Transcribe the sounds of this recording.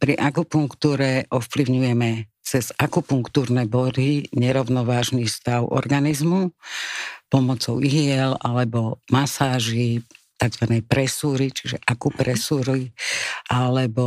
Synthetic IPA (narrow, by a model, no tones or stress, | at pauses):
pɾiʔakupuŋkt̪uːɾɛʔɔfpliʊɲujɛmɛ | t͡sɛzakupuŋkt̪uːɾnɛbɔd̪iɲɛɾɔʊnɔʋaːʒnifst̪aʊʔɔ̰ɾɡanizmu | pɔmɔt͡sɔʊʔiɦiɛlalɛbɔmasaːʒit̪aɡzʋanɛjpɾɛsuːɾit͡ʃiʒɛʔakupɾɛsuːɾiʔalɛbɔ